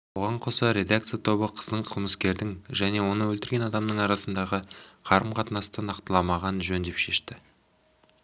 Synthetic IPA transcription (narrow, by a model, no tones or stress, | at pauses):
woʁɑɴqʰo̞sɑɾʲe̞d̪ak̚t̪sijat̪ʰo̞βəqʰə̥zd̪əɴqʰəlˠməskʲe̞ɾd̪ɪŋʒæne̞wo̞nəwɵlt̪ɪɾɡʲe̞nɑd̪ɑmnəɴɑɾɑsənd̪ɑʁəqʰɑɾəmqʰɑt̪ənɑst̪ənɑqt̪əlˠɑmɑʁɑnʒɵnd̪e̞pʃe̞ʃt̪ɪ